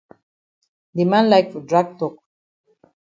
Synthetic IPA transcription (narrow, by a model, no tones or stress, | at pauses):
d̪imãnlajkfɔdɹaɡ̚tɔk